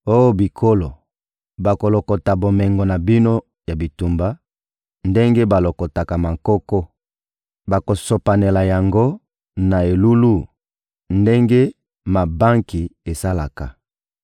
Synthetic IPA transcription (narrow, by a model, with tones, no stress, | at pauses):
o˦jo˦bi˨kʰo˦lo˨ | ba˨ko˨lo˨ko˨ta˨bo˨mɛ˨ŋɡɔ˨na˨bi˦no˦ | ja˨bi˨tu˨mba˦ | nde˦ŋɡe˦ba˨lo˨ko˨ta˨ka˨ma˨ŋkɔ˦kɔ˦ | ba˨ko˨so˨pa˨ne˨la˨ja˨ŋɡo˦ | na˨e˨lu˦lu˦˨ | nde˦ŋɡe˦ | ma˨ba˦ŋki˨e˨sa˦la˨ka˨